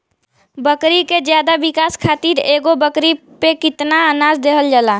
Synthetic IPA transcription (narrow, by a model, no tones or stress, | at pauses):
bəkɾiked͡ʒjad̪abikaːskʰat̪iɾeːɡobəkɾi | pekɪt̪naənad͡ʒd̪eɦəld͡ʒala